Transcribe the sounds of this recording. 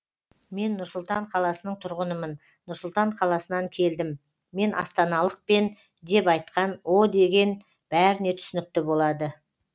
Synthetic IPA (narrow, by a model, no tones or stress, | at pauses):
me̞nːʊɾsʊlˠt̪ɑɴqʰɑlˠɑsənəɴt̪ʰʊɾʁənəmənː | ʊɾsʊlˠt̪ɑɴqʰɑlˠɑsənɑŋkʲʰe̞ld̪ɪmː | e̞nʔɑ̰st̪ɑnɑlˠəq̚pe̞n | d̪e̞pɑjt̪qɑnwo̞d̪e̞ɡʲe̞n | b̥æɾɪne̞t̪ʰʏ̥sɪnɪk̚t̪ɪbo̞lˠɑd̪ə